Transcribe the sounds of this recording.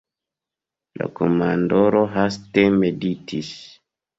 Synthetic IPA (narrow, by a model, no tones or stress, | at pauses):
la̰komandoɾoɦastemeditʰis